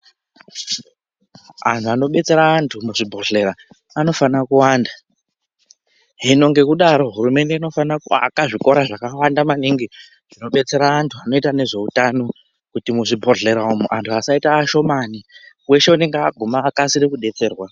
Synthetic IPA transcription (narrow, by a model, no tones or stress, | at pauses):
a̰ntʰuano̞ɓe̞t͡se̞ɾaːntʰumuʐibʱoɮe̞ɾaː | no̞fanakuwaːnda | ɦino̞ŋɡe̞kuɗaɾo̞ɦuɾume̞nde̞ino̞fanakua̰kaʐiko̞ɾaʐakawandamaniŋɡi | ʐ̥ino̞ɓe̞t͡se̞ɾaːntʰuano̞itane̞ʐe̞utano̞ | kutimuʐibʱoɮe̞ɾaumuʔantʰuasaitaːʃo̞mani | we̞ʃe̞une̞ŋɡeaɡʱumaːkasiɾekuɗe̞t͡se̞ːrwa